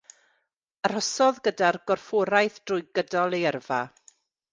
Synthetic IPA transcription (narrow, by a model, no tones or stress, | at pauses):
əɾ̥ɔsɔðɡədarɡɔrfoɾajθd̥rʊjɡədɔlˠejɛrva̰